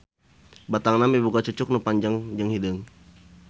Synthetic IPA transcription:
bat̪aŋnamibukat͡ʃut͡ʃʊk̚nupaɲd͡ʒaŋd͡ʒəŋhidəŋ

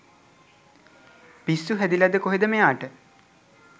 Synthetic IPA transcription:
pisːuɦæd̪ilɐd̪əkoɦid̪əmejaːʈə

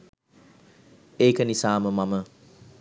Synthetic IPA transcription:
eːkənisaːməmɐmə

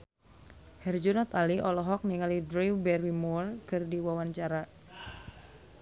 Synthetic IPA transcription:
hɛrd͡ʒunɔt̪aliʔɔlɔɦɔk̚niŋalidɾiwbɛrwimɔlkɨrdiwawaɲt͡ʃaɾa

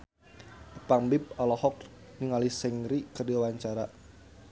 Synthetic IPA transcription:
ʔəpaŋbip̚alɔhɔk̚ | niŋalisɛŋɾikərdiwawaɲt͡ʃaɾa

